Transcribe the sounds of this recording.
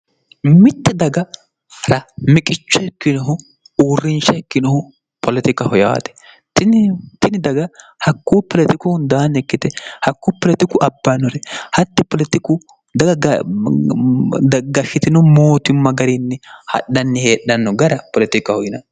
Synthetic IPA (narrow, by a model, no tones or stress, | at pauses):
mɪt̪ːɛd̪ɐɡɐ | ɾɐmɪkʼɪt͡ʃːʊɛkːɪnɔɦʊ | uːrɪnʃɐɛkːɪnɔhʊ | pʰɔlɪt̪ɪkɐhɔja̰ːt̪ɛ̥ | t̪ɪnt̪ɪnɪd̪ɐɡɐ | hɐkːuːpɔlɛt̪ɪkʊnd̪aːnɛkːɪt̪ɛhɐkːuːpɔlɛt̪ɪkʊʔɐbːɐnɔɾɛhɐt̪ːɪpɔlɛt̪ɪkʊ | d̪ɐɡɐɡ | d̪ɡɐʃɪt̪ɪnɔmoːt̪ɪmːɐɡɐɾinːɛhɐ̰ɗɐnːɛheːɗɐnːɔɡɐɾɐpɔlɛt̪ɪkɐhɔjɪnɐ̰